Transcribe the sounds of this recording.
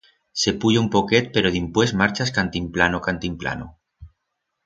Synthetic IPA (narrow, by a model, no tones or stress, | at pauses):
se̞puʎoumpoket̪̚peɾoðimpwe̞smaɾt͡ʃaskant̪implanokant̪impla̰no